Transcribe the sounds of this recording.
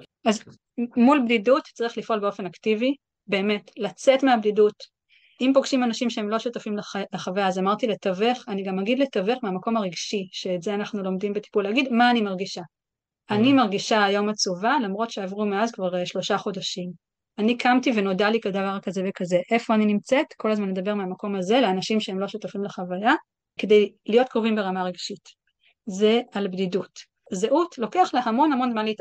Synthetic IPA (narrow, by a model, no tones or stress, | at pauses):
az | mulbdidutt͡saʁiχlifʔo̞lbeo̞fe̞naktivi | be̞ːme̞tlat͡setmeabdidut | impo̞ɡʃimanaʃimʃeemlo̞ʃutafimlleχaveazamaʁtiletaveχaniɡamaɡidletaveχmeamako̞maʁiɡʃiʃe̞ːtzeanaχnulo̞mdimbeti̥pulaɡidmaːnimaʁɡiʃa | animaʁɡiʃaːjo̞mat͡suvalamʁo̞tʃeavʁumeazkvaʁʃlo̞ʃaχo̞daʃim | anikʰamtiveno̞dalikadavaʁkazevekaze̞ʔe̞fo̞aninimt͡setkʰo̞lazmanle̞dɐbe̞ʁmeamako̞maze̞leanaʃimʃeemlo̞ʃutafimleχavaja | kedejlijo̞t̚kʁovimbeʁamaʁeɡʃit | ze̞albdidut | zeʔutlo̞ke̞aχlahamo̞nhamo̞nzmanleit